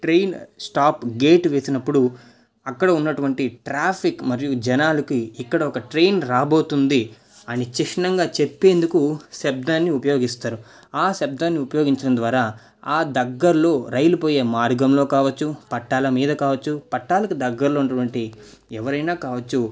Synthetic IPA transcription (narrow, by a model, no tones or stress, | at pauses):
ʈɾejnsʈaːpɡe̞ːʈʋe̞ːsinɐpːuɽu | ɐkːɐɽɐunːɐʈuʋɐɳʈiʈɾaːpʰikmɐɾijud͡ʒɛnaːlɐkiːkːɐɽɐɔkɐʈɾejnɾaːbo̞ːt̪und̪i | ɐnit͡ʃiʂɐnɐŋɡaːt͡ʃe̞pːe̞ːnd̪ukuseb̚d̪aːnːiupɐjo̞ːɡist̪aːɾu | aːseb̚d̪aːnːiupɐjo̞ːɡiɲt͡ʃɐɽɐnd̪ʋaːɾaː | aːd̪ɐɡːɐɾlo̞ːɾɐjlupo̞ːje̞ːmaːɾɡɐmlo̞ːkaːʋɐt͡ʃːupɐʈːaːlɐmiːd̪ɐkaːʋɐt͡ʃːupɐʈːaːlɐkud̪ɐɡːɐɾlo̞ːunːɐʈuʋɐɳʈi | ɛʋɐɾɐjnaːkaːʋɐt͡ʃːu